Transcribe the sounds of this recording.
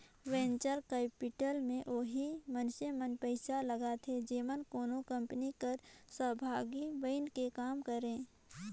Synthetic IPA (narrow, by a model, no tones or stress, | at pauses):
ʋẽːnt͡ʃəɾkɛːpɪʈəlmẽʔoːɦimənʃemənpəɪsaləɡat̪ʰed͡ʒeːmənkoːnokə̃mpənikəɾsəɦbʱaːɡibəɪnkekaːmkəɾẽː